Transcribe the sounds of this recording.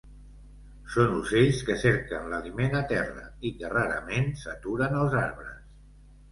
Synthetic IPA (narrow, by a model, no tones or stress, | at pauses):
sonuzeʎskəseɾkənləlimenat̪ɛrə̰ikəraɾə̰mensət̪uɾənəlˠzaɾβɾəs